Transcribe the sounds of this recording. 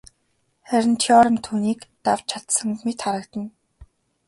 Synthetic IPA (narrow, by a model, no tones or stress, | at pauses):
χæɾʲɪ̆nt͡ɕ̪ʰiɔɾə̆mt̪ʰuːniːkt̪aw̥t͡ɕʰat̪sə̆ŋmet̪χaɾə̆kt̪ə̆n